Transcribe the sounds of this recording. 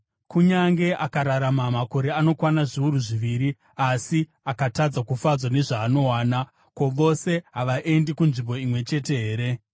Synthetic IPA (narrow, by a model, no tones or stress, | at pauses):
kuɲaŋɡe̞ʔakaɾaɾamamako̞ɾe̞ano̞kwanaʐiuɾuʐiʋiɾi | asi | akatad͡zakufad͡zwane̞ʐaːno̞waːna | ko̞ʋo̞se̞ɦaʋaʔe̞ndikunʐimbo̞imwe̞t͡ʃe̞te̞ɦeːɾe̞